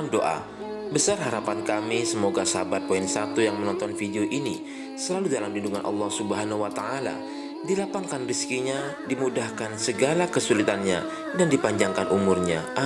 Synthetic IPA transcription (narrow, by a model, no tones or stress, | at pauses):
mdoʔa̰ | bəsarɦaɾapankamisəmoɡasəbat̪̚poinsat̪ujaŋmənɔnt̪ɔnfideoʔini | səlaludalamdinduŋanʔɑ̰lːɑhsubəɦanhuwat̪aala̰ | dilapaŋkanriskiɲa | dimudahkansəɡalakəsulit̪anɲa | dandipaɲd͡ʒaŋkanʔumurɲaʔa